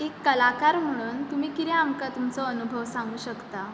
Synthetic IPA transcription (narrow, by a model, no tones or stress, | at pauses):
ekːəlakaɾm̤əɽ̃uːnt̪umiːkiɾɛamkat̪umt͡sɔənubʱəʋsãŋɡuːɕəkt̪a